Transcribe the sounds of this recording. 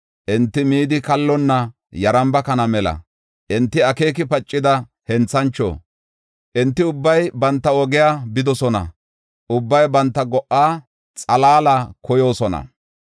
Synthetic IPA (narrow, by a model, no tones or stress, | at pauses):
ʔɪnt̪ːɪmiːd̪ɪkɐlːɔnːɐ | jɐɾɐmbɐkɐnɐmɛlɐ̰ | ʔɪnt̪ːɪɐke̞ːk̬ɪpɐt͡ʃʼːɪd̪ɐ | hɛnt͡sːɐnt͡ʃːo̰ː | ʔɪnt̪ːɪʊbːɐjbɐnt̪ːɐɔɡɪjaːbɪd̪ɔsɔnɐ̰ | ʔʊbːɐjbɐnt̪ːɐɡɔʔːaː | t͡sʼɐlaːlakɔjo̞ːsɔnɐ̰